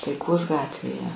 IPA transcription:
tɐɪˈkoːs ˈɡɑːtʲʋʲeːjɛ

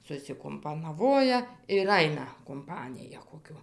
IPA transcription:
sʊsʲɪkʊmpɐnɐˈʋoːjɛ ɪr ˈɐɪnɐ kʊmˈpɑːnʲɪjɛ koːˈkʲʊ

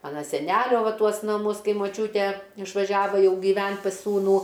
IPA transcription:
ˈmɑːnɐ sʲɛˈnʲælʲoː ˈʋɐ ˈtuɔs nɐˈmʊs ˈkɐɪ moːˈt͡ʃʲuːtʲeː ɪʃʋɐˈʒʲæːʋɐ ˈjɛʊ ɡʲiːˈʋʲɛnt pɐs ˈsuːnuː

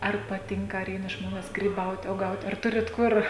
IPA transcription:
ˈɐr pɐˈtʲɪŋkɐ ɐr ˈɛɪnɐ ˈʒmoːnʲɛs ɡrʲiːˈbɐʊtʲ uɔˈɡɐʊtʲ ɐr ˈtʊrʲɪt ˈkʊr

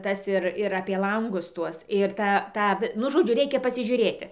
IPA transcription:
ˈtɐs ɪr ɪr ˈɑːpʲiɛ ˈlˠɐŋɡʊs ˈtuɔs ɪr ˈtɑː ˈtɑː ʋʲɪ ˈnʊ ˈʒoːd͡ʒʲʊ ˈrʲɛɪkʲɛ pɐsʲɪˈʒʲuːrʲeːtʲɪ

